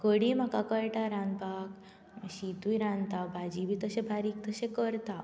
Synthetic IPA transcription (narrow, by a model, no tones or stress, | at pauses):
kəɽim̤akakəjʈaɾãnpak | ɕit̪ujɾãnt̪abʱad͡ʑibʱiːt̪əɕẽbʱaɾiːk̚t̪əɕẽkəɾt̪a